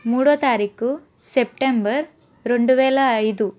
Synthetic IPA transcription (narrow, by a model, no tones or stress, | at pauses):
muːɽoːt̪aːɾiːku | sep̚ʈembɐɾ | ɾoɳɖuʋeːlɐːjd̪u